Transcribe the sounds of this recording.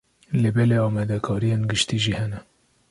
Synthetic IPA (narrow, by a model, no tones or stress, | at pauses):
lebɛleɑːmɛd̪ɛkʰɑːɾijenɡɨʃt̪iːʒiːhɛnɛ